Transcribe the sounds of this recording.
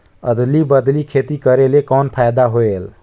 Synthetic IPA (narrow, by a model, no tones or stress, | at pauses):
ə̰d̪libəd̪likʰet̪ikəɾelekɔnpʰajd̪aɦoel